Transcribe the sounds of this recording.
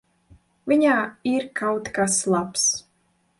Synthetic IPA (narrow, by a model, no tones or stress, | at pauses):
vʲiɲaːiɾkawt̪kaslˠaps